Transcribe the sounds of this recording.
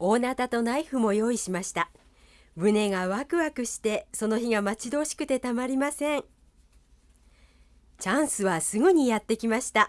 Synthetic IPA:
o̞ːnat̪at̪o̞naiɸɯ̟mo̞jo̞ːiɕimaɕi̥t̪a | bɯ̟ne̞ɡaβakɯ̟βakɯ̟ɕi̥t̪e̞so̞no̞çiɡamat͡ɕid̪o̞ːɕi̥kɯ̟t̪e̞t̪amaɾʲimasẽ̞ŋ | t͡ɕãɰ̃sɨβasɨɡɯ̟ɲ̟ijat̪ːe̞kʲimaɕi̥t̪a

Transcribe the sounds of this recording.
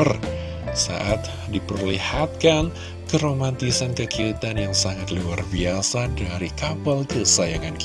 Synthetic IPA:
r | sa̰ʔat̪̚ | dipərlihat̪̚kan | kəɾomant̪isankəkiit̪anjaŋsaŋat̪luarbiasadaɾikapalkəsajaŋank

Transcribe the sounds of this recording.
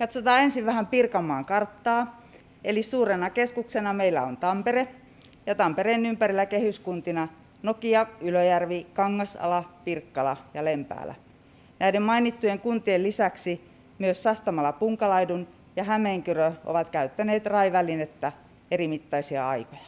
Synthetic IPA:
kɑt̪sot̪ɑːensiʋʋæhæmpirkɑmːˑɑːŋkɑrt̪ːɑː | elisuːrenɑkeskuksenɑmeilːæ̰ont̪ɑmpere | jɑt̪ɑmpereːnympærilːˑækehyskunt̪inɑ | nokiɑyløjærʋikɑŋːɑsɑ̰lɑpirkːɑlɑjɑlempæ̰ːlæ̰ | næidemmɑinit̪ːujeŋkunt̪ielisæksi | myøssɑst̪ɑmɑlːˑɑpuŋkɑlɑidun | jɑhæmeːŋkyrøʔo̰ʋɑt̪kæyt̪ːæneːt̪rɑiʋælinet̪ːæ | erimit̪ːɑisiɑ̰ɑiko̥jɑ̥

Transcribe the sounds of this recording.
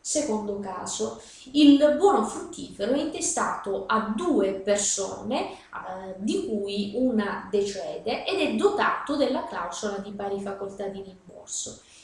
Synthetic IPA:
sekond̪ʊka̰ːzʊ | ilbwɔːnofɾut̪ʰːiːfeɾoɛint̪est̪aːt̪ʊʔad̪uːepersɔ̰ːne | d̪ikujunad̪et͡ʃɛːd̪eʔɛd̪ɛd̪ːot̪a̰ːt̪ʊd̪elːakla̰wsolad̪ipaːɾifakolt̪ad̪irimbɔ̰rsʊ

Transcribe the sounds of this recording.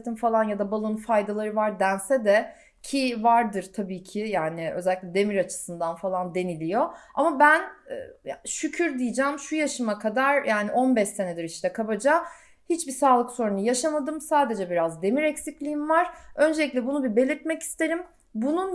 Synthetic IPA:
t̪ʰimfalˠanjad̪abalˠɯnfajd̪alˠaɾɯvaɾd̪ænsɛd̪ɛ | cʰivaɾd̪ɯɾt̪ʰabiːcʰijaːnɪø̰zɛlʲiclʲɛd̪e̞miɾat͡ʃʰɯ̥sɯnd̪anfalˠand̪e̞nilʲijoamabænːjʃycʰyɾd̪ijid͡ʒɛmʃujaʃɯmakʰad̪aɾ̥jaːniʔo̞nbɛʃe̞ned̪iɾiʃt̪ʰɛkʰabad͡ʒa | hit͡ʃbisaːlˠɯkso̞ɾunujaʃamad̪ɯmsaːd̪e̞d͡ʒɛbiɾazd̪e̞miɾɛcsiclʲiimvaɾ̥ø̞nd͡ʒelʲiclʲɛbunubibe̞lʲiɾt̪̚mɛci̥st̪ʰe̞ɾim | bunun

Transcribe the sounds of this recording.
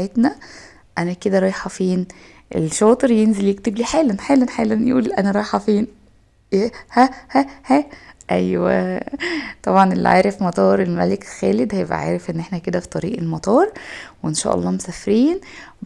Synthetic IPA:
et̪næ | ʔænæked̪æɾˤɑːjħæfiːn | ʔḛlʃɑːt̪ˤeɾjenzeljekt̪ebliːħeːlænħeːlænħeːlænjʔuːliʔænæɾˤɑːjħɑfiːn | æhæhæhæʔæjwæ̰ | t̪ˤɑbʕɑnelːḭʕa̰ːɾefmɑt̪ˤɑːɾˤelmælekxæːled̪hæjebʔæ̰ʕa̰ːɾefʔenːʔeħnæked̪æfi̥t̪ˤɑɾiːʔelmɑt̪ˤɑːɾˤweʔenʃæ̰ːʔɑ̰lˤːɑːmesæfɾiːn

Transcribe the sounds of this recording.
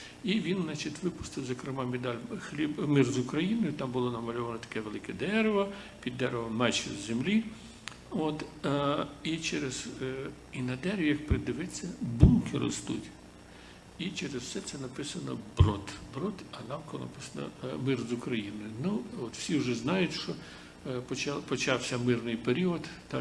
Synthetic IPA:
iʋʲinznɑt͡ʃʲit̪ʲʋɪpʊ̥st̪ɪwzɔkɾɪmɑmed̪ɑlʲxlʲibmɪrzʊkɾɐjinɔjʊt̪ɑmbʊlˠɔnɐmɐlʲɔʋɐnɔt̪ɐ̥kɛʋelˠɪkɛd̪ɛɾʋɐpʲid̪ːɛɾeʋɐmɛt͡ʃɛ̰zʲzʲemlʲi | ot̪ | it͡ʃeɾez̥ | inɐd̪ɛɾʲʋʲjɐkpɾed̪ɪʋɪt͡sʲːɐbunkɪɾɔ̰st̪ṵtʲ | it͡ʃeɾezwsɛt̪sɛnɐpɪsɐnɔbɾɔt̪bɾɔt̪ɐnɑmkɔlˠɔ̰nɐ̰pɪsɐnɐ̰mɪrzʊkɾɐjinɔjʊnuɔt̪w̥sʲiwʒɛznɑjʊtʲʃɔ | pɔt͡ʃpɔt͡ʃɑwsʲɐmɪrnɪjpeɾʲiɔd̪ː

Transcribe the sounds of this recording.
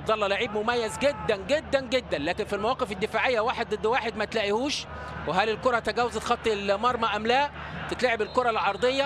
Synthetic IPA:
ɑbd̪ˤɑlˤːɑlaʕiːbmʊmæjːæzɡed̪ːænɡed̪ːænɡed̪ːænlæːkenfilmæwɑːqefed̪ːɪfaːʕejːæwaːħed̪̚d̪ˤɨd̪ːwaːħed̪mæt̪læːʔihuːʃ | weɦælɪlkoɾˤɑt̪æɡæːwːæzt̪xɑt̪ˤːilmɑɾˤmæʔæmlæ | t̪ɪt̪laʕebelkoɾˤɑlʕɑɾˤd̪ˤejːɑ

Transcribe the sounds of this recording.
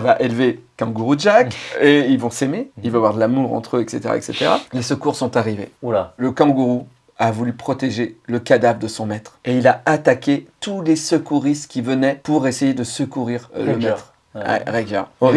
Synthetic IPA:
vaʔelvekɑ̃ɡuʁudʒakeilvɔ̃semeilvaavwaʁd̪əlamuʁɑ̰̃t̪χøɛkset̪eʁa̰ɛ̰kset̪eʁa̰lesəkuʁsɔ̃t̪aʁivḛləkɑ̃ɡuʁu | avulypχɔt̪eʒeləkad̪avʁəd̪əsɔ̃mɛt̪χeilaat̪akʲet̪ulesəkuʁist̪kʲivənɛpuʁesejed̪əsəkuʁiʁləmɛt̪χ | ɛ̰ʁɛɡœ̰ʁo

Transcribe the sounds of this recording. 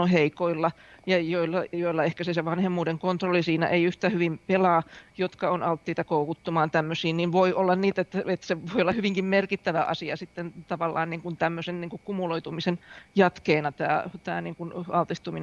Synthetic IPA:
oheikoilːɑjɑjoilːɑjoilːɑehkæseseʋɑnhemːuːdeŋkont̪rolːˑisiːnæ̰ʔeiyht̪æːhyʋimpelɑːjot̪kɑonɑlt̪ːiːt̪ɑkoukut̪ːumɑːnt̪æmːøsiːnninʋoiʔolːɑnniːt̪et̪ːæet̪ːseʋoiolːɑhyʋiŋkimmerkit̪ːæʋæʔɑ̰siɑsit̪ːent̪ɑʋɑlːɑ̰ːnniːŋkunt̪æmːøsenniːŋkukkumuloit̪umisenjɑt̪keːnɑt̪æ̰ːt̪æ̰ːniːŋkunɑlt̪iht̪umin

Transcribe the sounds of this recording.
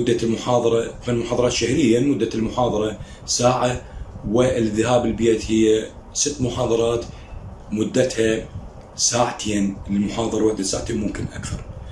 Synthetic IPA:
ʊd̪ːalmʊħɑːðˤɑɾˤɑfalmʊħɑːðˤɾˤɑːt̪ʃahlɪjːamʊd̪ːalmʊħɑːðˤɑɾˤɑ | saːʕawɪɪlðːahaːbɪlbjeːt̪hɪjːa | sɪt̪ːmʊħɑːðˤɑɾˤɑːt̪ | mʊd̪ːat̪ha | saːʕat̪ʰeːnlmʊħɑːðˤɑɾˤwaħd̪asaːʕat̪eːnmʊmkɪnʔa̰kθɑ̰ɾˤ

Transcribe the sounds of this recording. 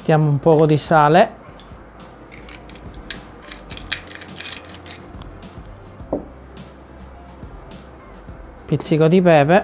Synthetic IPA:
t̪jaːmoumpɔːkod̪isaːle | pit̪sːikod̪ipɛːpe

